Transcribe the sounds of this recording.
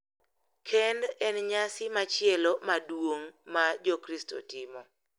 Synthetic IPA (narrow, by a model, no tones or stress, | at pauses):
kʰɛndɛnɲasɪmat͡ʃɪɛlomadwoŋmad͡ʒɔkɾisto̰tɪmɔ